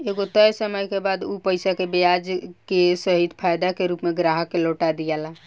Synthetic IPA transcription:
eɡot̪əjsəməjkebad̪upəjsakebejad͡ʒkesəɦit̪pʰajd̪akeɾupmeɡɾaɦəkeloʈad̪ijɛla

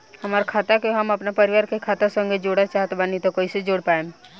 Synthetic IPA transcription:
həmaːɾakʰaːt̪akeɦəməpnapəɾɪʋaːɾkekʰaːt̪asə̃ŋɡed͡ʒoːɽat͡ʃaːɦt̪banit̪okoːised͡ʒoːɽpaːẽm

